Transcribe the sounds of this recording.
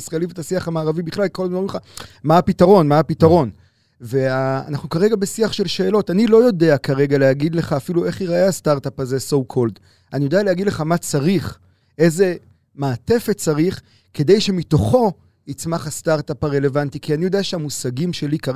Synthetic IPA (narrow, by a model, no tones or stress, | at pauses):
isʁaelivet̪asiaχamaːʁavibiχlalkolmaulχamaapitaʁo̞nmaapitaʁo̞n | ve̞aa̰naχnukaʁe̞ɡabe̞siaχʃe̞lʃe̞ːlo̞tanilo̞jo̞de̞akaʁe̞ɡaleɦaɡid̪le̞χaːfilue̞χiʁaʔeastaʁtapaze̞sowkʰold | anijo̞d̪ealeaɡidle̞χamat͡saʁiχ | e̞ze̞ | maːte̞fett͡saʁiχ | ke̞de̞jʃe̞mito̞χo̞ | it͡smaχhastaʁtapaʁe̞le̞vantikianijo̞d̪eaʃeamusaɡimʃe̞lika